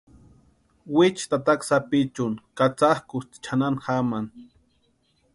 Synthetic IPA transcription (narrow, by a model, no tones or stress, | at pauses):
wɪt͡ʃt̪at̪aksapɪt͡ʃʊnkat͡sahkʊst̪t͡ʃʰananxaman